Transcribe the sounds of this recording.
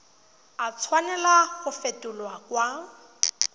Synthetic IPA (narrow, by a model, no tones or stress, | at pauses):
at͡sʰwanɛlaɣʊfetʼʊlwakwa